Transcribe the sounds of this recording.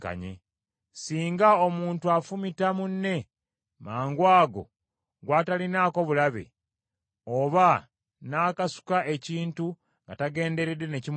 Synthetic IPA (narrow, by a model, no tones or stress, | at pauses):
ka̰ɲḛ | siːŋɡaomuːntuafumitamunːe̞ | maːŋɡwaːɡo̞̰ | ɡwaːtalinaːko̞βulaβḛ | oβa | naːkasu̥kaʔe̞ciːntu | ŋɡataɡe̞ːnde̞ɾedːe̞ne̞cim